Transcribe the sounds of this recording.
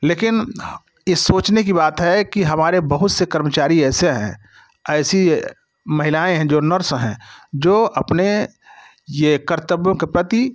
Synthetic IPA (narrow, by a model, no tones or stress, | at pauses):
leːkɪn | jesoːt͡ʃnek̬ibaːt̪ɦɛkiɦɐmaːɾebɐɦʊt̪sekɐɾmət͡ʃaːɾiɛːseɦɛ̰̃ː | ɛːsi | mɐɦɪlaːẽɦɛ̃d͡ʒoːnəɾsɦɛ̃d͡ʒoːɐpne | jekɐɾt̪əbjõkepɾɐt̪i